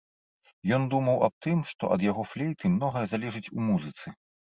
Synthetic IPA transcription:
jɔnd̪umɐwɐp̚t̪ɨmʂt̪ɔ̰ʔɐd̪jaɣɔflʲɛjt̪ɨmnɔɣɐjɐzalʲɛʐɨt͡sʲumuzɨt̪sɨ

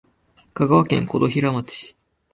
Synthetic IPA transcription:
kaɡaβakẽ̞̰ŋkod̪o̞çiɾamat͡ɕi̥

